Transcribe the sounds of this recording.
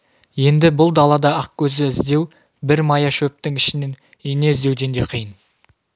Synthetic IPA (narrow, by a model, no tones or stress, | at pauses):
je̞nd̪ɪbʊlˠd̪ɑlˠɑd̪ɑɑq̚kʲʰɵzɪɪzd̪e̞w | bɪɾmɑjɑʃɵp̚t̪ɪŋɪʃɪnen | ene̞ɪzd̪e̞wd̪e̞nd̪e̞qʰijən